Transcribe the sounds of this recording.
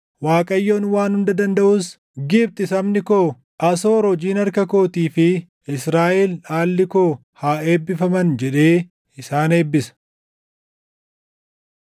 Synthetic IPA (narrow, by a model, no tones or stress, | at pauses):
waːkʼɐjːo̞ːnwaːnhʊnd̪ɐd̪ɐnd̪ɐʔʊs | ɡɪbt̪ɪsɐmnɪkoː | ʔɐso̞ːɾɔd͡ʒiːnɐɾkɐko̞ːt̪iːfɪ | ɪsɾaːʔɛlaːlːɪkoː | haːe̞ːbːɪfɐmɐnd͡ʒɛᶑe̞ː | ɪsaːne̞ːbːɪsɐ̥